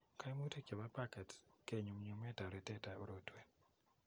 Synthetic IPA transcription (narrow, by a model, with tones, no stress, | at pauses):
ka˦jmu˦te˦˨ke˨ba˦pa˦kɛ˨tke˨ɲu˨mɲu˦mɛ˦ta˨ɾɛ˨tɛ˦ta˨o˦ɾo˨twe˨n